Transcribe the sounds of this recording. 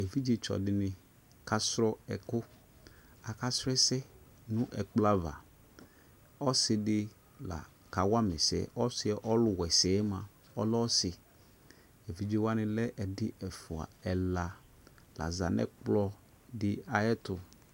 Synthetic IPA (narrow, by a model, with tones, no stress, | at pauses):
e˨vi˦d͡ʒi˨t͡ʃɔ̰˨dɪ˨nɪ˨ | ka˨sɾɔ˦ɛ˨kʊ˦ | a˨ka˦sɾɛ˦sɛ˦ | nʊ̃˦ʔɛ˨k͡pla˦va̰˨ | ɔ˦sɪ˨dɪ˦ | la̰˨ | ka˨wa˦mɪ˨sɛ̰˨˦ɔ˦sɪ˦ɛ˦ʔɔ˦lʊ˨wɛ˨sɛ˨˦ma˨ | ɔ˦lɔ˦ɔ˦sɪ˨ | e˨vi˦d͡ʒi˦wa˦nɪ̃˦lɛ˦ʔɛ˨dɪ˦ɛ˨fʊ˨a̰˨ɛ˨la˨ | la̰˨za̰˨nɛ̰˦k͡plɔ˦ | dɪ˦a˨jɛ˦tʊ˨